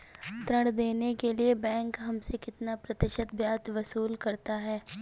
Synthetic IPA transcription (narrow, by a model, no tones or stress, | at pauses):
t̪ɾəɽd̪eːnekeliebɛ̃ːŋkɦɐmsekɪt̪napɾɐt̪ɪʃət̪̚bjaːt̪ʋɐsuːlkɐɾt̪aɦɛː